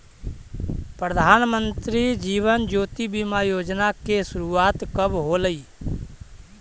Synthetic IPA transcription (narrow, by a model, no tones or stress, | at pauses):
pɾəd̪ʱaːnmə̃nt̪ɾid͡ʒiːʋənd͡ʒoːt̪ibimajoːd͡ʒnakesʊɾuaːt̪kəbɦoləiː